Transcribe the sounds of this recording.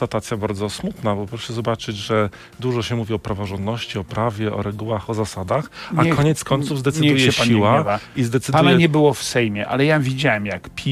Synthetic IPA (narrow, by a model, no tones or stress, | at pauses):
at̪at̪sʲjabaɾd̪zɔsmut̪nabɔpɾɔʂɛzɔbat͡ʂɘd͡ʑʐɛ | d̪uʐɔɕɛmuvʲiɔpɾavɔʐɔnd̪nɔɕt͡ɕiɔpɾavʲjɛʔɔ̰ɾɛɡuwaxɔzasad̪axakɔɲɛt̪skɔɲt̪suvzd̪ɛt̪sɨujɛɛɕaiwavaizd̪ɛt̪sɨɘdp̪auaɛɲɛbɘwɔfsɛjmʲjɛʔa̰lɛjavʲid͡ʑawɛmjakpʲʰi